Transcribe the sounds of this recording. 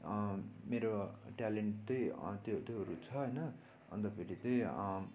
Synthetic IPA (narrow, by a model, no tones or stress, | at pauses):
meɾoʈaleɳʈt̪ʌjt̪ot̪oɦʌɾut͡sʰʌɦʌjnʌ | ʌ̰nt̪ʌpʰeɾit̪ʌj̃